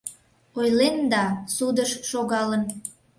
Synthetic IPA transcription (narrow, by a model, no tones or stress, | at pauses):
ojlend̪ɑsud̪əʃʃoɣɑlən